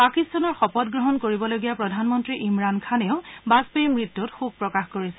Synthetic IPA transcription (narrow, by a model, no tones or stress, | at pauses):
pakistanɔɹxɔpɔd̚ɡɹɔɦɔnkoɹibɔloɡijapɹɔdʱanmɔntɹiʔimɹankʰaneʊbaspejmɹitːutxub̚pɹɔkaxkoɹisɛ̥